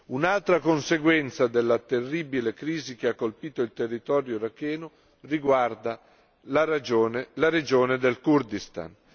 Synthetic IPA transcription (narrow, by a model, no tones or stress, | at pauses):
unalt̪ɾakonseɡwɛnt̪sad̪elːat̪erːiːbilekɾiːzik̟eakːolpiːt̪oilt̪erːit̪ɔːɾjoɾakːɛːno | riɡward̪a | laad͡ʒoːnelaɾed͡ʒoːned̪elkurd̪ist̪a̰n